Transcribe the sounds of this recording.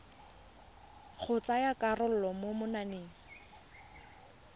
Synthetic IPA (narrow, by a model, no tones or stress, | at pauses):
χʊt͡sajakarʊl̩lɔmomʊnaneːŋ̩